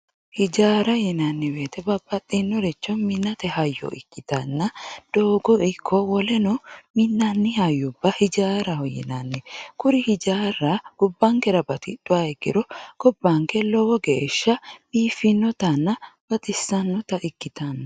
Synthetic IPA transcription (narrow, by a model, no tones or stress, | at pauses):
hɪd͡ʒaːɾɐjɛnɐnːɛbeːt̪ɛbɐbːɐt̪ʼːinːɔɾɛt͡ʃːɔmɪnːɐt̪ɛhɐjːɔ̰ʔɪ̰kːɪt̪ɐnːɐd̪̥oːɡɔɪkʰːɔwɔlɛnɔmɪnːɐnːɪhɐjːʊbːɐhɪd͡ʒaːɾɐɔjɛ̰nɐnːɛkʊɾɪhɪd͡ʒaːrːɐɡ̥ʊbːɐŋkɛɾɐbɐt̪ɪᶑ̪̥ːʊaɡɪ̰ɾɔɡ̥ɔbːɐŋkɛlɔwɔɡeːʃːɐbiːfɪnːɔt̪ɐnːɐb̥ɐt̪ɪsːɐnːɔt̪ɐʔɪkːɪt̪ɐnːɐ